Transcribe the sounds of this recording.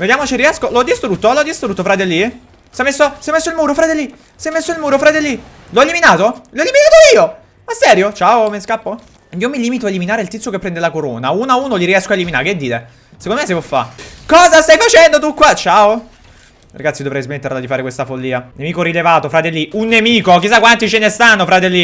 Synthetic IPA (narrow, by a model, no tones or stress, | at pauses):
ved̪jaːmot͡ʃeriɛskoloɔd̪ːist̪ɾut̪ːoloɔd̪ːist̪ɾut̪ːofɾat̪elːi | sɛjmesːosɛjmesːoilmuːɾofɾat̪elːi | sɛjmesːoilmuːɾofɾat̪elːi | lɔeliminaːt̪olɔeliminaːt̪oiːo | asːɛɾjot͡ʃaːomeskapːo | iːomiliːmit̪̬oaeliminaːɾeilt̪it̪sokepːɾɛnd̪elakoɾoːnauːnauːnoliɾiɛskoaeliminaːɾeked̪ːiːɾe | sekonoesːevɔfːa̰kɔːzast̪ajfat͡ʃɛnd̪ot̪ukːwat͡ʃaːo | ɾaɡat̪sid̪ovɾɛjzmet̪ːeɾlad̪ifaːɾekwest̪afolːiːanemiːkoɾilevaːt̪ofɾat̪elːiunːemiːkok̟isːakːwant̪it͡ʃenest̪anːofɾat̪elːi